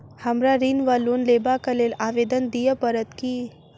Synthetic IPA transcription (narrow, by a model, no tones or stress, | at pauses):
həmɾaɾinʋaluːnlebakəlelaʋed̪ənd̪ijəpəɾət̪ki